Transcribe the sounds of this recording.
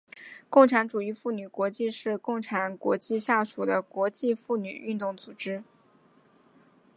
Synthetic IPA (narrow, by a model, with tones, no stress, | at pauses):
kʊ˥˩ŋʈ͡ʂʰa˧˥nʈ͡ʂu˨˩i˥fu˥˩ny˨˩kwɔ˧˥t͡ɕi˥˧ʂɻ̩˥˧kʊ˥˩ŋʈ͡ʂʰa˧˥nkwɔ̰˧˥t͡ɕi˥˧ɕja˥˩ʂu˨˩d̪ə˦kwɔ˧˥t͡ɕi˥˧fu˥˩ny̰˨˩y˥˧nt̪ʊ˥˩ŋt͡su˨˩ʈ͡ʂɻ̩˥